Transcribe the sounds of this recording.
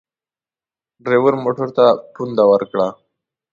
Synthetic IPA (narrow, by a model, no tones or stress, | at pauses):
ɖɾewəɾmoʈəɾt̪apund̪awəɾkɽa